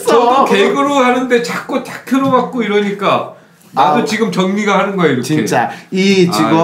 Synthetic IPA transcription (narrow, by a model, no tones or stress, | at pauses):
t͡ɕʌkeɡɯɾohanɯnde̞t͡ɕak̚k͈ot͡ɕakʰjʌɾobak̚k͈oiɾʌɲik͈a | nadot͡ɕiɡɯmt͡ɕʌŋɲiɡahanɯnɡʌjeiɾʌt͡ɕikʰet͡ɕ͈ait͡ɕiɡʌ